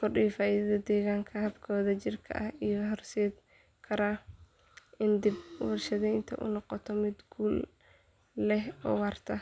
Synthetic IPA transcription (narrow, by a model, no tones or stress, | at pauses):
kʰʊrɗiːfaːʔiðɐðɐd̪ɛːɣaːŋkʰɐhɐbkʰɔːðɐt͡ʃɪrkʰɐ̰ʔɐhijɔɦɔrsɛːd̪ | kʰɐɾa | ʔɪnd̪ɪbwɐrʃɐðɛjnt̪ʰɐ̰ʔʊ̰nɑqɔt̪ʰɔmɪd̪ɡuːlː | ɛɦɔ̰ːwɑːrt̪ʰɐ